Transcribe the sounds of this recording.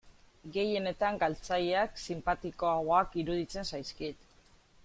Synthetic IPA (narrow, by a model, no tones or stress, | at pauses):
ɡe̞je̞ne̞t̪aŋɡalt͡saʎeaksimpat̪iko̞aɣoakiɾuðit͡se̞nsajskit̪